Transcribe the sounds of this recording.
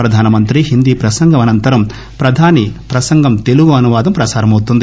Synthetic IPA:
pɾɐd̪ʱaːnɐmɐnt̪ɾiɦind̪iːpɾɐsɐŋɡʱɐmɐnɐnt̪ɐɾɐm | pɾɐd̪ʱaːnipɾɐsɐŋɡʱɐmt̪e̞luɡuɐnuʋaːd̪ɐmpɾɐsaːɾɐmɐwut̪und̪i

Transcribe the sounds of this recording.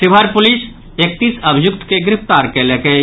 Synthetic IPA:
sɪbʱəɾpʊlɪs | ek̚t̪iːsəbʱijʊk̚t̪keɡɾɪpʰt̪aːɾkeleke

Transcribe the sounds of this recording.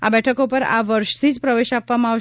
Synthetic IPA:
a̰bɛʈʰəkopəɾa̰ʋəɾʃət̪ʰid͡ʒpɾəʋeʃapʋamãaʋʃ

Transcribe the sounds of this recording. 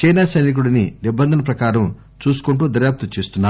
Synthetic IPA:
t͡ʃɐjnaːsɐjnik̬uɽɐninibːɐnd̪ʱɐnɐp̬ɾɐkaːɾɐm | t͡ʃuːsu̥kuɳʈuːd̪ɐɾjaːp̚t̪ut͡ʃeːst̪unːaː

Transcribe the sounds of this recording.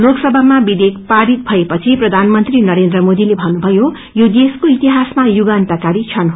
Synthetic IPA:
loksʌbʱamabid̪ek̚paɾit̪̚bʱʌepʌt͡sʰiprʌd̪ʱanmʌnt̪rinʌɾend̪ɾrʌmod̪ilebʱʌnubʱʌjo | jod̪eskoit̪iɦasmajuɡant̪akaɾit͡sʰʌn

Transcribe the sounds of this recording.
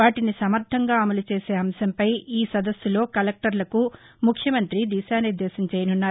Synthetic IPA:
ʋaːʈinisɐmɐɾt̪ʰɐŋɡaːɐmɐlut͡ʃe̞ːse̞ːɐmsɐmpɐjiːsɐd̪ɐsːulo̞ːkɐlek̚ʈɐɾlɐku | mukʰjɐmɐnt̪ɾid̪iːʃaːniɾd̪ːeːsɐɲt͡ʃeːjɐnunːaːɾ

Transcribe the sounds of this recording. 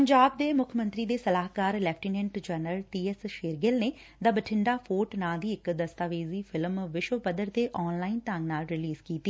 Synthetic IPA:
pəɲd͡ʒaːb̚d̪eːmʊkʰəmə̃nt̪ɾiːd̪eːsəlaːɦkaːɾlɛːpʰʈiːnɛ̃ːɳʈd͡ʒənəlʈiːɛsʃeːɾɡɪlneː | d̪aːbəʈʰɪɳɖaːfʰoːʈnaːd̪iːɪkd̪əst̪aːʋeːziːfʰɪlmʋɪʃwəpəd̪əɾt̪eːʔɔːnlaːint̪ãŋɡnaːlɾɪliːzkiːt̪iː

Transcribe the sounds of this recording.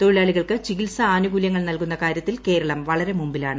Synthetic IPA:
t̪oɻiɭaːɭiɣɐɭkɨt͡ɕiɣilsɐaːnuɡuljɐŋːɐɭnɐlkunːɐkaːɾjɐt̪ːilke̞ːɾɐɭɐmʋɐɭɐɾe̞mumbilaːɳɨ

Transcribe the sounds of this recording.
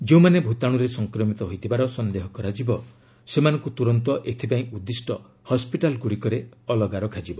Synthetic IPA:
d͡ʒeũmanebʱut̪aɽ̃uɾesɔŋkɾɔmit̪ɔɦojt̪ʰibaɾɔsɔnd̪eɦɔkɔɾad͡ʒibɔ | semanɔ̃ŋkut̪uɾɔnt̪ɔʔet̪ʰipaĩʔud̪ːisʈɔ | hɔspiʈalɡuɽikɔɾeɔlɔɡaɾɔkʰad͡ʒibɔ

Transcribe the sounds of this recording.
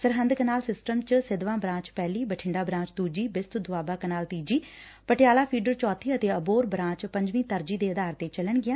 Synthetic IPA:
səɾɦənd̪kənaːlsɪsʈəmt͡ʃsɪd̪ʋãːbɾãːt͡ʃpɛːliːbəʈʰɪ̃ɳɖaːbɾãːt͡ʃt̪uːd͡ʒiːbɪst̪d̪ʊʋaːbaːkənaːlt̪iːd͡ʒiː | pəʈɪjaːlaːpʰiːɖəɾt͡ʃɔːt̪ʰiːət̪eːəboːɾbɾãːt͡ʃpə̃ɲd͡ʒʋĩːt̪əɾd͡ʒiːd̪eːəd̪aːɾt̪eːt͡ʃələɳɡɪjãː

